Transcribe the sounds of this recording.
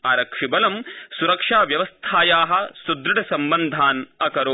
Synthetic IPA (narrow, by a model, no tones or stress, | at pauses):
aːɾɐkʂibɐlɐmsuɾɐkʂaːʋjɐʋɐst̪ʰaːjaːɦɐ̆sud̪ɾɐʈʰɐsɐmbɐnd̪ʱaːnɐkɐɾoː